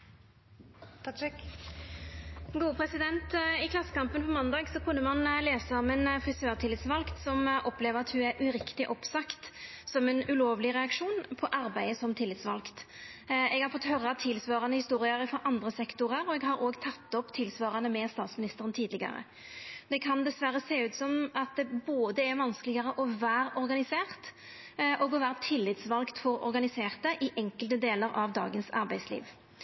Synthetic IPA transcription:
ɡuːəpʰɾɛsɪd̪ɛnt̪ɪkʰlɑsːə̥kɑmpənpʰɔmɑnd̪ɑːɡsɔkʰʉnːəmɑnleːsəɔmɛnfɪsøːʁt̪ʰɪlɪt̪sʋɑlkt̪sɔmʔɔpleːʋəʁɑt̪hʉæʔʉɾɪkt̪ɪʔɔpsɑkt̪sɔmɛnʉloːʋlɪʁɛɑkʂuːnpʰɔʔɑɾbæɪəsɔmt̪ʰɪlːɪt̪sʋɑ̰lkt̪ | ɛɡhɑɾfɔt̪ːhøɾɑt̪ʰɪlsʋɑːɾɑnəhɪst̪uːɾɪɑɾɪfɔɾʔɑnd̪ʁəsɛkt̪ʊʁəɾɔɛɡɦɑɾoːɡt̪ʰɑt̪ːɔpt̪ʰɪlsʋɑːʁɑnəmɛst̪ɑːt̪smɪnɪst̪əʁənt̪ʰiːd̪lɪɡɑ̰ɾə̰ | d̪ɛkʰɑnd̪ɛsʋæʁːəseːʉːt̪sɔmɑt̪̚d̪ɛboːd̪əæɾʋɑnskəlɪɡəʁəʔɔʋæːɾɔɾɡɑnɪseːʁt̪ | ʔɔɡɔʋæːɾət̪ʰɪlːɪt̪sʋɑlkt̪fɔɾɔ̰ɾɡɑnɪseːʁt̪əʔɪʔɛŋkəlt̪əd̪eːləɾɑʋd̪ɑ̰ːɡənsɑ̰ɾbæɪslḭːʋ

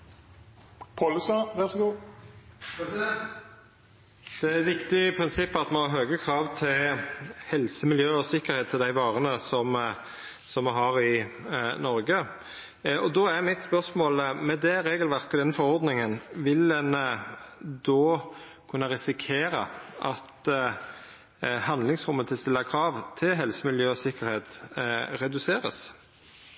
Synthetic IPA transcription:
pʰolʉsɑʋæʁsɔɡuː | d̪̥ɛæt̪ʋɪkt̪ɪpʰɾɪnsɪpːɑt̪mɛɔɦøːɡəkʰɾɑːʋt̪ʰɪlhɛlsəmɪljøːɔsɪkːəɾheːt̪ʰːɪld̪æɪʋɑːʁənəsɔm | sɔmːɛɦɑʁɪnɔɾɡə | ɔd̪ɔːæʁmɪt̪spœʁʂmoːləmɛd̪ɛɾeːɡəlʋæʁkəd̪ɛnfɔɾɔɾd̪nɪŋənʋɪlɛn | d̪oː | kʰʉnːɑɾɪsɪkʰeːɾɑ̰ʔɑt̪ | hɑnd̪lɪŋsʁʊmːət̪ʰɪlst̪ɪlːɑkʰɾɑːʋt̪ʰɪlɦɛlsəmɪljøːɔsɪkəɾheːt̪ɾɛd̪ʉseːɾə̰s

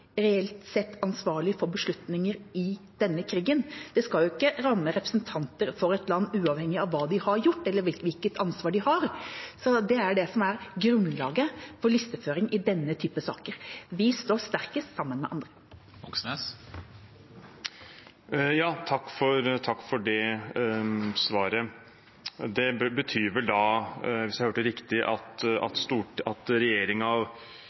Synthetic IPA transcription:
ɾɛɛlt̪sɛt̪ːɑnsʋɑːɭɪfɔɾbəʂɭʉt̪nɪŋəɾɪd̪̥ɛnːəkʰɾiːɡənd̪̥ɛskɑljʊɪkːəɾɑmːəɾɛpɾəsnt̪ʰɑnt̪əɾfɔɾɛt̪lɑnːʉːɑːʋhɛŋːɪɑʋːɑːd̪ɪhɑɾjʊʈːɛlːəʋɪʋɪlkət̪ɑnsʋɑːɖɪhɑɾsɔd̪ɛæɖɛsɔmæɾɡɾʉnlɑːɡəfɔɾɭɪst̪əføːɾɪŋʔɪd̪ɛnːət̪ʰyːpəsɑ̰ːkəɾʋɪst̪oːst̪æɾkəsɑmːənmɛ̰ʔɑnd̪ɾə | ɔses | jɑːt̪ʰɑkːfɔɾt̪ʰɑkːfɔɖɛ | sʋɑːɾə | d̪ɛbət̪ʰyːɾʋɛld̪ɑʋɪsjæɪhøːʈəɾɪkt̪ɪʔɑ̰t̪ɑ̰t̪st̪uːʈɑt̪ɾɛjeːɾɪŋɑʋ

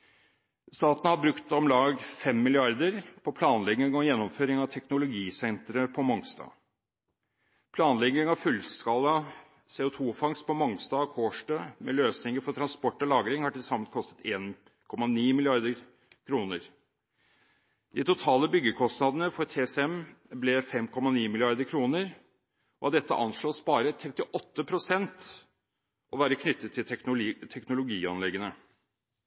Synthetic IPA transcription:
st̪ɑːt̪ənəhɑbɾʉkt̪ɔmlɑːɡfɛmːɪlɪɑɾd̪əɾpʰɔpʰlɑːnlɛɡɪŋɔjɛnːɔmføːɾɪŋɑʋt̪ʰɛknʊlʊɡiːsɛnt̪ɾəpʰɔmɔŋst̪ɑ̰ | pʰlɑːnlɛɡɪŋɑʋfʉlskɑlːɑ | seːʊt̪ʰuːfɑŋspʰɔmɔŋst̪ɑːkʰoːʂʈɑmɛløːsnɪŋəɾfɔʈʰɾɑnspɔʈːɔlɑːɡɾɪŋhɑʈɪlsɑmːənkʰɔst̪ə̥t̪eːn | kʰɔmːɑniːmɪlɪɑɾd̪əɾ | kʰɾuːnəɾ | d̪ɪt̪ʰʊt̪ʰɑːləbʏɡːəkʰɔst̪nɑd̪ənəfɔɾt̪ʰeːsɛmblɛfɛmkʰɔmːɑniːmɪlɪɑɾd̪əɾkʰɾuːnəɾ | ɔɑd̪ɛt̪ːə̰ʔɑ̰nʂɭoːspɑːɾət̪ʰɾɛt̪ːɪʔɔt̪ːəpʰɾʊsɛnt̪ | ʔɔʋæːɾəkʰnʏt̪ːət̪ʰːɪlt̪ʰɛknʊlʊɡiːɑnlɛɡənə

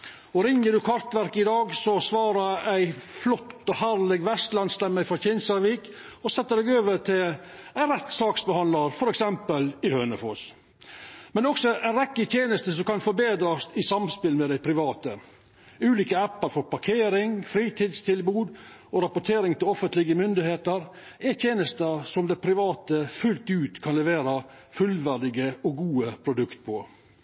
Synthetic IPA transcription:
ɔɾɪŋːəɖʉkʰɑɾt̪ʋæɾkɪd̪ɑːɡsɔsʋɑːɾəæɪflɔt̪ːɔhæɾlɪɡʋɛst̪lɑnslɛmːəfɾɑçɪnsɑɾʋiːkɔsɛt̪ːəd̪ɛɡøːʋəʈʰɪlæɪnɾɛt̪ːsɑːksbəhɑnlɑɾfɔɾɛksɛmpəlɪhøːnəfɔ̰ːs | mɛnɔksɔæɪnɾɛkːət̪ʰjeːnəst̪əsɔmkɑnfɔɾbeːd̪ɾɑsɪsɑmspɪlmɛd̪æɪpʰɾɪʋɑːt̪ə | ʉːliːkəæpːəɾfɔɾpɑɾkʰeːɾɪŋfɾiːt̪ʰiːd̪st̪ʰɪlbuːd̪ | ɔɾɑpʊʈ̪ʰeːɾɪŋt̪ʰɪlɔfənt̪lɪɡəmʏnd̪ɪheːt̪əɾ | ɛt̪ʰjeːnəst̪əɾsɔmd̪ɛpʰɾɪʋɑːt̪əfʉlt̪ʉːt̪kʰɑnlɛʋeːɾə | fʉlʋæɖ̪ɪɡəɔɡuːəpʰɾʊd̪ʉkt̪̚pʰɔ

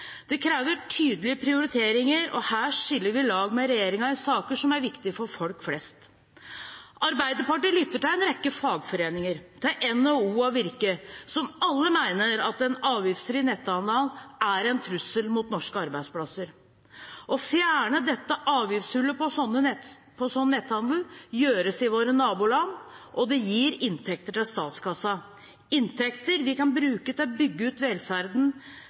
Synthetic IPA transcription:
d̪̥ɛkʰɾeːʋəʈʰyːd̪əlɪəpʰɾɪʊɾɪt̪ʰeːɾɪŋəɾɔ̰hæːʂɪlːəɾʋɪlɑːɡmɛɾɛjeːɾɪŋɑɪsɑːkəʂɔmæɾʋɪkt̪ɪfɔɾfɔlkflɛst̪ | ʔɑɾbæɪd̪əɾpɑʈiːlʏt̪ːəʈɪlɛnɾɛkːəfɑːɡfɔɾeːnɪŋəɾt̪ʰɪʔɛnːɔuːɑʋɪɾkəsɔmɑlːəmæɪnəɾɑt̪ɛnɑːʋjɪfsfɾiːnɛt̪ːɑnlɑnʔæɾɛnt̪ʰɾʉsːəlmuːt̪nɔʂkəɑɾbæɪd̪splɑsəɾ | ʔɔfjæːɳəd̪ɛt̪ːəʔɑːʋjɪfshʉlːəpɔsɔnːəɛ | pʰɔsɔnːənɛt̪hɑnd̪l̩jøːɾəsɪʋoːɾənɑːbuːlɑnːʔɔd̪ɛjiːɾɪnt̪ʰɛk̚t̪əʈɪlst̪ɑːt̪skʰɑsːɑ | ɪnt̪ʰɛkt̪əɾʋɪkɑnbɾʉːkət̪ʰɪlɔbʏɡːəʉːt̪ʋɛlfæɾd̪n̩

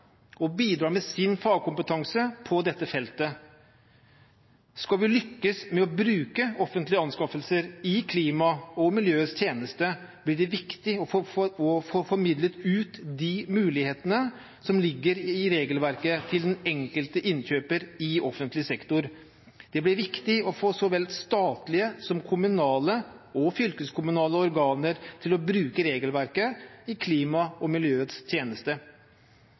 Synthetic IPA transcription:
ɔbiːd̪ɾɑːɾmɛsɪnfɑːɡkʊmpət̪ʰɑŋsəpʰɔd̪ɛt̪ːəfɛlt̪ə | skɑlʋɪlʏkːəsmɛɔbɾʉːkəɔfənt̪lɪəɑnskɑfəlsəɾɪkʰliːmɑɔmɪljøːst̪ʰjeːnəst̪ə | b̥lɪɖɛʋɪkt̪ɪɔɔffɔɾmɪd̪lət̪ʉːt̪d̪ɪmʉːlɪheːt̪ənə | sɔmlɪɡːəɾɪɾeːɡəlʋæɾkət̪ʰɪld̪ɛnɛŋkəlt̪əʔɪnçøːpəɾɪɔfənt̪lɪsɛkt̪ʊɾ | d̪̥ɛblɪɾʋɪkt̪ɪɔfoːsɔʋɛlst̪ɑːt̪lɪəsɔmkʰʊmʉnɑːləɔfʏlkəskʊmʉnɑːləɔɾɡɑːnəɾt̪ʰɪlɔbɾʉːkəɾeːɡəlʋæɾkəɪkʰliːmɑɔmɪljøːət̪st̪ʰjeːnəst̪ə

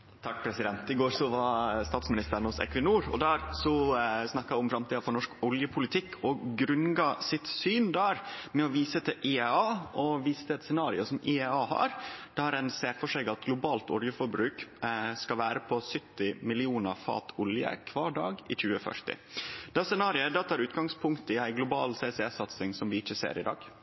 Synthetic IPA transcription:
t̪ʰɑk̚pʰɾɛsɪd̪ɛnt̪ɪɡoːɾsɔʋɑst̪ɑːt̪smɪnɪst̪əɾɳ̩ʊsɛ̰kʋɪnuːɾɔ̰d̪æːɾsɔsnɑkːɑæɪʊmfɾɑmt̪iːd̪ɑfɔɾɳɔʂkɔljəpʰʊlɪt̪ʰɪkʰːɔɡɾʉnɡɑsɪt̪syːnd̪æɾmɛɔʋiːsət̪ʰɪʔɪɛɑːʔɔʋiːst̪əɛt̪sɛnɑːɾɪʊsɔmɪɛɑːhɑ̰ɾd̪̥ɛhɑɾæɪnseːɾfɔʂɛɡɑt̪ɡlʊbɑːlt̪ɔ̰ljəfɔɾbɾʉːkskɑʋæːɾəpʰɔsʏt̪ːɪmɪlɪuːnəɾfɑ̰ːt̪ʰʊljə̰kʰʋɑːɖɑ̰ːɡɪc͡çʉːəfœ̰ʂʈɪ̰d̪̥sɛnɑːɾɪəd̪ɑt̪ʰɑːɾʉːt̪ɡɑŋspʰʊŋkt̪əɪæɪɡlʊbɑ̰ːlseːsɛɛsɑt̪sɪŋsɔmʋɪɪçːəsḛːɾʔɪd̪ɑ̰ːɡ

